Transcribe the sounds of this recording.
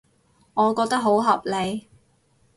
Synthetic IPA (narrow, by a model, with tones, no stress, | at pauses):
ŋɔː˨˧kɔː˧k̚t̪ɐ˥k̚ɦo˨˥wɦɐ˨p̚le˨˧j